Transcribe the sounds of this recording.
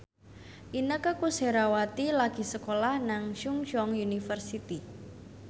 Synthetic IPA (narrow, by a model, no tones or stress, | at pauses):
ʔinəkəkuseɾawat̪ilaɡ̥i̤səkolahnaŋʃuŋʃɔŋjunifərsit̪i